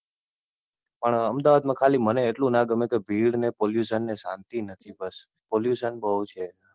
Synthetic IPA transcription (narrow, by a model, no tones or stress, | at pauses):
pəɳəmd̪aʋad̪mãkʰaliməneːʈlũnãɡəmekebʱiɽnepoljusənːesã̰nt̪inət̪ʰibəs | poljuʃənbəɦut͡ʃʰe